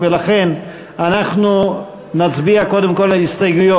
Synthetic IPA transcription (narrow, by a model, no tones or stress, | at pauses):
velaχen | anaχnu | nat͡sbiakodemkolaist̪ajɡujo